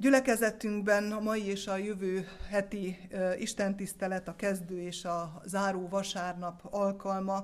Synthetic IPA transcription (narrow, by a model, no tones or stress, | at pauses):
ɟylɛkɛzɛt̪yŋɡ̚bɛnɒmɒjieːʃɒjøvøːɦɛt̪iiʃt̪ɛnt̪ist̪ɛlɛt̪ɒkɛzd̪øːeːʃɒzaːɾoːvɒʃaːrnɒpɒlkɒlmɒ